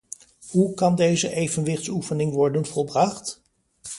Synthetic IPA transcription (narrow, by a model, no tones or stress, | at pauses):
ɦukɑndejzəʔejvənʋɪχtsufənɪŋʋɔɹdənvɔlˠbrɑχt